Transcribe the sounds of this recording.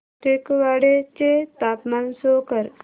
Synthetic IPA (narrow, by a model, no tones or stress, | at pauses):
ʈekʋaɽet͡ʃet̪aːpmansoːkəɾ